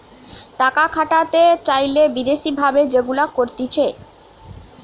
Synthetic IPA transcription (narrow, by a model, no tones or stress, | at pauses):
ʈakakʰaʈat̪et͡ɕajlebid̪eʃibʱabed͡ʑeɡulakoɾt̪it͡ɕʰe